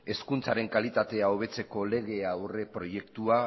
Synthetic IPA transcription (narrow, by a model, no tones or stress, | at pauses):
e̞skunt͡saɾe̞ŋkalit̪at̪e̞ao̞β̞e̞t͡se̞ko̞le̞ɣ̞e̞awre̞pɾo̞je̞kt̪ua